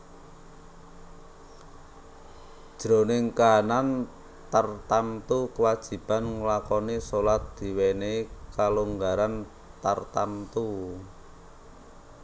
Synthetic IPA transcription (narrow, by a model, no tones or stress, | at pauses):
dd̥ʒ̥ɾonɪŋkaɦanan | t̪ərt̪ant̪ukəwad̥ʒ̥i̤b̥anŋlakɔnisolat̪̚d̪̥i̤wenekaluŋɡaɾan | t̪ərt̪ant̪u